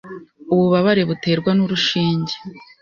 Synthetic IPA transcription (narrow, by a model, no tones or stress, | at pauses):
uβuβaβaɾe̞βute̞ːɾɡwanuɾuʃiːɲɟe